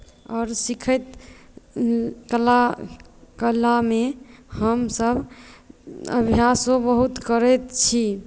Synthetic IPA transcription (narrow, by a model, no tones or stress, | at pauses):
ɔːɾsikʰət̪ | kəla | kəlːamehəmsəbʱ | ə̰bʱjasõbəɦut̪kəɾɛt̪t͡ʃʰi